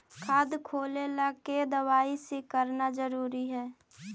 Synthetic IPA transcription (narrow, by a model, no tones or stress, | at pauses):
kʰaːd̪kʰoːlelaked̪əwaːisekəɾnad͡ʒəɾuːɾiɦɛː